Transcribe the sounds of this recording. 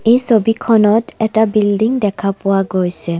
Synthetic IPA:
ejsobikʰɔnɔtɛtabildiŋdɛkʰapʊwaɡojsɛ

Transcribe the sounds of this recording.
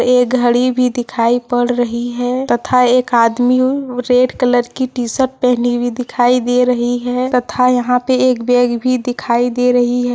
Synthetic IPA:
ek̚ɡʱəɽibʱid̪ɪkʰaːipəɽɾəɦiɦɛt̪ət̪ʰaeːkaːd̪miɾeːɖkələɾkiʈisəʈ̚pɛɦnibʱid̪ɪkʰaːid̪eɾəɦiɦɛt̪ət̪ʰajɐɦãpeeːkbeːɡbʱid̪ɪkʰaːid̪eɾəɦiɦɛ

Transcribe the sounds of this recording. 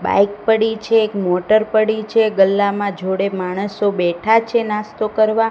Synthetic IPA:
ba̰jk̚pəɽit͡ʃʰeːkmoʈəɾpəɽit͡ʃʰeɡəlːamãd͡ʒʱoɽemaɽ̃əsobɛʈʰat͡ʃʰenast̪okəɾʋa

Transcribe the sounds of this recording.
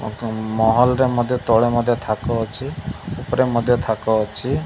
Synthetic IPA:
mɔɦɔlɔɾemɔd̪ʱjɔt̪ɔɭemɔd̪ʱjɔt̪ʰakɔt͡ʃʰiupɔɾemɔd̪ʱjɔt̪ʰakɔt͡ʃʰi

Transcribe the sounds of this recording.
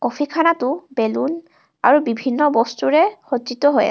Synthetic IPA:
kɔpʰikʰanatʊbelun | a̰ɹubibʱinːɔbɔstuɹɛxɔtzitɔɦoja̰

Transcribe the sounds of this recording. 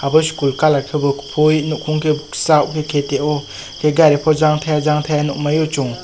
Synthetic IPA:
habɯskulkalakʰebɯpʰojnukʰuŋkʰesawkʰekʰeteɔ | kʰeɡaɾepʰɔzaŋtʰajazaŋtʰajanɔmajɔt͡ʃuŋ

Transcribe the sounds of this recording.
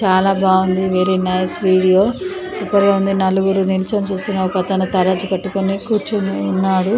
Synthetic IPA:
t͡ʃaːlaːbaːund̪iʋeːɾinɐjsʋiːɽijo̞ː | supɐɾɡeːund̪inɐluɡuɾunilt͡ʃɐmt͡ʃuːst̪unːaːɾkɐt̪ɐnut̪ɐɾaːd͡ʒupɐʈːukonikuːɾt͡ʃuːnːaːɽu

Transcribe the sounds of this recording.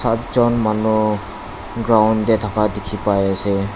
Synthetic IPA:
satzɔnmanu | ɡɹawndɛtʰakadekʰipajasɛ

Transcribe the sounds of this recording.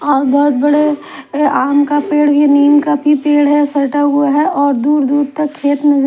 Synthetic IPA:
ɔːɾbɔɦʊt̪̚bɐɽe | aːmkapeːɽbʱiniːmkabʱipeːɽɦɛsɐɾʈaɦʊaɦɛʔɔːɾd̪uːɾd̪uːɾt̪ɐkʰːeːt̪mẽd͡ʒ

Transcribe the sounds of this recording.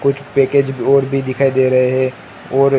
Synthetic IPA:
kʊt͡ʃʰpeːkeːd͡ʒɔːɾbʱid̪ɪkʰaːid̪eːɾɐɦeɦɛ | ɔːɾ

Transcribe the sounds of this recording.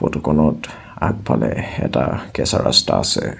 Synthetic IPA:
pɔtɔkɔnɔt | ak̚pʰalɛɛtakɛsaɹastaːsɛ

